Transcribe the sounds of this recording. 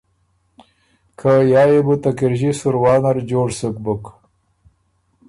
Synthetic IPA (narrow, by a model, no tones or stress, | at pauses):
kʰajɑːjebut̪akɪɾʑisuɾwɑːnaɾd͡ʒoːɽsək̚buk